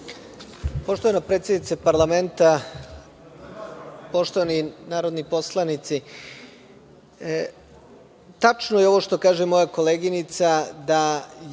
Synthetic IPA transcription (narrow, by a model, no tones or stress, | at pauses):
po̞ʃt̪o̞ʋanapɾet̪sjed̪nit̪sapaɾlˠame̞nt̪a | po̞ʃt̪o̞ʋaninaːɾo̞d̪nipo̞slˠanit̪si | t̪at͡ʃnojeo̞ʋo̞ʃt̪o̞kaːʒemo̞jako̞leːɡinit̪sad̪a